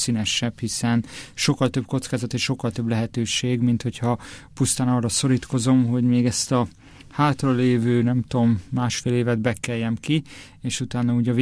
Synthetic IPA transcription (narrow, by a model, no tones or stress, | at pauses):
sinɛʃɛbhisɛnʃo̞kːɒlt̪ø̞bko̞t̪skaːzɒt̪eːʃʃo̞kːɒlt̪øblɛɦɛt̪øːʃeːɡmint̪ho̞chɒpust̪aːnɒrːɒso̞ɾiːt̪ko̞zo̞mɦo̞ɟmeːɡɛst̪ɒ | haːt̪rɒleːvøːnɛmt̪oːmːaːʃfeːleːvɛd̪bɛkːɛjːɛmki | eːʃut̪aːnːɒuːɟɒv